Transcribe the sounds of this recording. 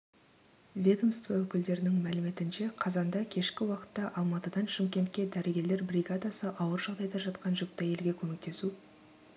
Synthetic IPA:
vʲed̪omst̪vɑwɵkʲɪld̪e̞ɾɪnɪŋmælɪme̞t̪ɪnʃe̞qʰɑzɑnd̪ɑkʲʰe̞ʃkʲɪwɑqə̥t̪ːɑʔɑlˠmɑt̪əd̪ɑnʃɪmkʲe̞nt̪̚kʲe̞d̪æɾeɡʲe̞ɾle̞ɾbrʲiɡad̪asəʔɑwəɾʒɑʁd̪ɑjd̪ɑʒɑt̪qɑnʒʏk̚t̪ːɑje̞lɡʲe̞kʲʰɵmʲek̚t̪e̞su

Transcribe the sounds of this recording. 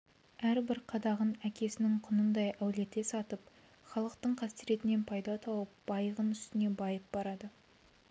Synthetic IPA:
æɾbɪɾqʰɑd̪ɑʁənækʲʰe̞sɪnɪŋqʰʊnənd̪ɑjʔæwle̞t̪esɑt̪əp | χɑlˠəqt̪əɴqʰɑst̪iɾe̞t̪ɪne̞npʰɑjd̪ɑt̪ʰɑwəp̚b̥ɑjəʁənʏst̪ɪne̞bɑjəp̚bɑɾɑd̪ə

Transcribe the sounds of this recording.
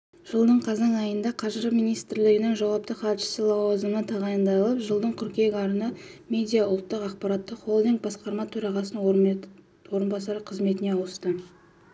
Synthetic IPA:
ʒ̥əlˠd̪əɴqʰɑzɑɴɑjənd̪ɑqʰɑʒɾəpmijnijst̪ɪɾlɪɡʲɪnɪŋʒɑwɑp̚t̪əχɑt̪ʃə̥sɪlˠɑwɑzənət̪ʰɑʁɑjənd̪ɑjlˠəpʒəlˠd̪əɴqʰʏɾkʲe̞ɡʲɑɾənəmʲe̞d̪ʲijɑʊlˠt̪ːəqɑq̚pɑɾɑt̪ːəχolˠd̪iŋk̚bɑsqɑɾmɑt̪ʰɵɾɑʁɑsən | wo̞ɾənbɑsɑɾəqʰəzme̞t̪ɪneɑwəst̪ə

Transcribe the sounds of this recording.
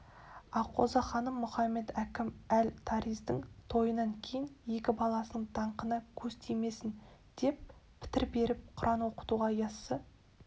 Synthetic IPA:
ɑqʰo̰zɑχɑnəmːʊχɑmːe̞d̪ækʲɪmælt̪ʰɑɾijzd̪əŋt̪ʰo̞jənɑŋkʲʰe̞jɪnje̞kʲɪbɑlˠɑsənəɴd̪̥ɑɴqənəkʲʰɵzt̪ʰejme̞sɪn | d̪̥e̞p̚pʰːɪ̥t̪ɪɾbe̞ɾɪp̚qʰʊɾʔɑnwo̞qə̥t̪uʁɑjɑsːə

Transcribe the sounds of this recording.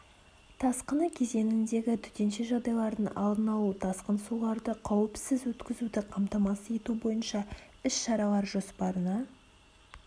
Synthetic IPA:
t̪ʰɑsqənəkʲʰe̞ze̞nɪnd̪e̞ɡʲɪt̪ʰʏ̥t̪e̞nʃe̞ʒɑʁd̪ɑjlˠɑɾd̪ənɑ̰lˠd̪ənɑlˠut̪ʰɑsqənsulˠɑɾd̪əqʰɑwɪpsɪzwɵt̪kʲɪzud̪ɪqʰɑmt̪ɑmɑsəje̞t̪ubo̞jənʃɑ | ɪʃʃɑɾɑlˠɑɾʒo̞spɑɾənɑ

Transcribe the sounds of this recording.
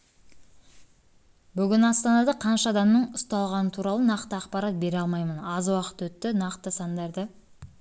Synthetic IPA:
bʏɡʲɪnɑst̪ɑnɑd̪ɑqʰɑnʃɑd̪ɑmnəɴʊst̪ɑlˠʁɑnət̪ʰuɾɑlˠənɑqt̪əɑqpɑɾɑt̪̚be̞ɾɑlˠmɑjmənɑzwɑqə̥t̪wɵt̪ːɪnɑqt̪əsɑnd̪ɑɾd̪ə

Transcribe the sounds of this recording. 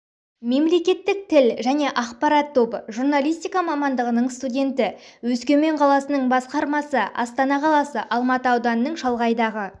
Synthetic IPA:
me̞mle̞kʲe̞t̪ːɪk̚t̪ʰɪlʒæne̞ʔɑqpɑɾɑt̪ʰːo̞bəʒurnalʲˠijst̪ʲijkɑmɑmɑnd̪əʁənəɴst̪udʲe̞nt̪ɪwɵskʲe̞me̞ɴqʰɑlˠɑsənəɴbɑsqɑɾmɑsəʔɑ̰st̪ɑnɑqʰɑlˠɑsəʔɑlˠmɑt̪əɑwd̪ɑnənəɴʒɑlˠʁɑjd̪ɑʁə

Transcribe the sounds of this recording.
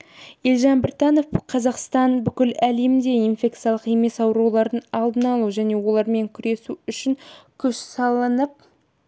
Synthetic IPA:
jelʲʒɑnbɪɾt̪ɑno̞fqʰɑzɑqst̪ɑnbʏkʲɪlæle̞md̪e̞infʲe̞kt̪sijalˠəqe̞me̞sɑwɾuwlˠɑɾd̪ənɑlˠd̪ənɑlˠuʒæne̞wo̞lˠɑɾme̞ŋkʲʰʏɾe̞suʏʃɪŋkʲʰʏʃsɑlˠənəp̚

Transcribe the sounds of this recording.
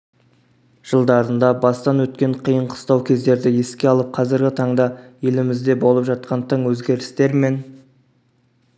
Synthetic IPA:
ʒ̥əlˠd̪ɑɾənd̪ɑbɑst̪ɑnwɵt̪kʲe̞ɴqʰijəɴqʰə̥st̪ɑwkʲʰe̞zd̪e̞ɾd̪ɪe̞skʲe̞ɑlˠəp̚qʰɑzɪɾɡʲɪt̪ʰɑɴd̪ɑje̞lɪmɪzd̪e̞bo̞lˠəpʒɑt̪̚qʰɑnt̪ʰəɴwɵzɡʲe̞ɾɪst̪e̞ɾme̞n

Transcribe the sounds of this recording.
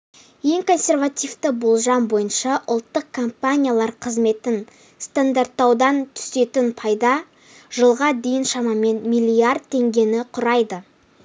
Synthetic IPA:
je̞ŋkʰo̞nsʲe̞ɾvat̪ijvt̪əbolˠʒɑmbo̞jənʃɑʔʊlˠt̪ːəq̚kʰːompanʲijalˠɑɾqʰəzme̞t̪ɪn | st̪and̪art̪ːɑwd̪ɑnt̪ʰʏ̥se̞t̪ɪnpʰɑjd̪ɑ | ʒ̥əlˠʁɑd̪e̞jɪnʃɑmɑme̞nmijlʲijard̪̚t̪ʰːe̞ŋɡʲe̞nɪqʰʊɾɑjd̪ə

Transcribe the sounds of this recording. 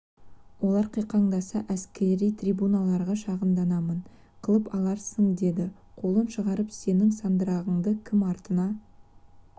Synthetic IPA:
wo̞lˠɑɾqʰijqɑɴd̪ɑsɑʔæskʲe̞ɾijt̪ʰrʲibunɑlˠɑɾʁɑʃɑʁəmd̪ɑnɑmən | qʰəlˠəpɑlˠɑɾsəɴd̪e̞d̪ɪ | qʰo̞lˠənʃəʁɑɾəpse̞nɪŋsɑnd̪əɾɑʁəɴd̪əkʲʰɪmɑɾt̪ənɑ

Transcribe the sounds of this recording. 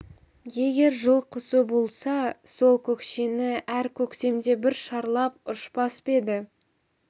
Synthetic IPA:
je̞ɡʲe̞ɾʒəlˠqʰʊsəbo̞lˠsɑso̞lˠkʲʰɵkʃe̞nɪʔæɾkʲʰɵkt̪e̞md̪e̞bɪɾʃɑɾlˠɑpʊʃpɑspe̞d̪ɪ

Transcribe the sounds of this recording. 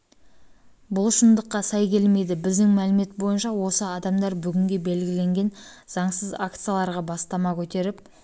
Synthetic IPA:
bʊlˠʃənd̪əqːɑsɑjkʲʰe̞lme̞jd̪ɪbɪzd̪ɪŋmælɪme̞t̪bo̞jənʃɑwo̞səɑd̪ɑmd̪ɑɾbʏɡʲɪŋɡʲe̞be̞lɡʲɪle̞ŋɡʲe̞nz̥ɑɴsəzakt̪sɨjalˠɑɾʁɑbɑst̪ɑmɑkʲʰɵt̪e̞ɾɪp

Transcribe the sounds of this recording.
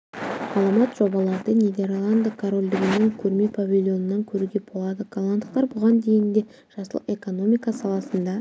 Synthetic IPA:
ɑlˠəmɑt̪ʒ̥o̞bɑlˠɑɾd̪əne̞d̪e̞ɾlˠand̪əkʰoɾo̞lʲd̪ɪɡʲɪnɪŋkʲʰɵɾmepʰavʲilʲˠjo̞nənɑŋkʲʰɵɾuɡʲe̞bo̞lˠɑd̪əɡ̥alˠand̪əq̚t̪ɑɾbʊʁɑnd̪e̞jɪnd̪e | ʒ̥ɑsə̰lˠe̞ko̞no̞mʲijkɑsɑlˠɑsənd̪ɑ

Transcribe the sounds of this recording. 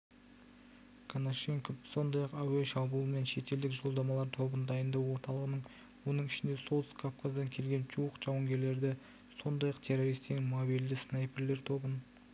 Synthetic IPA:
kʰonoʃe̞ŋkopso̞nd̪ɑjɑqæweʃɑbulˠəme̞nʃe̞t̪e̞ld̪ɪkʒo̞lˠd̪ɑmɑlˠɑɾt̪ʰo̞bənəd̪ɑjənd̪ɑwwo̞ɾt̪ɑlˠəʁənəɴ | wo̞nəɴɪʃɪnd̪e̞so̞lˠskʰofkʰazd̪ɑŋkʲʰe̞lɡʲe̞nʒuwəqʒ̥ɑwəŋɡʲe̞ɾle̞ɾd̪ɪ | so̞nd̪ɑjɑqt̪ʲʰe̞ɾoɾijst̪enmobijld̪ɪsnɑjpɪɾle̞ɾt̪ʰo̞bən

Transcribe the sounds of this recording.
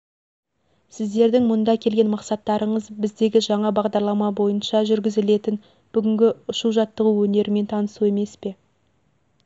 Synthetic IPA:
sɪzd̪e̞ɾd̪ɪŋmʊnd̪ɑkʲʰe̞lɡʲe̞nmɑqsɑt̪ːɑɾʔəɴəzbɪzd̪e̞ɡʲɪʒɑɴɑbɑʁd̪ɑɾlˠɑmɑbo̞jənʃɑʒʏɾɡʲɪzɪle̞t̪ɪn | b̥ʏɡʲɪŋɡʲɪʊʃuʒɑt̪ːəʁuwɵne̞ɾɪme̞nt̪ʰɑnəsue̞me̞spe̞

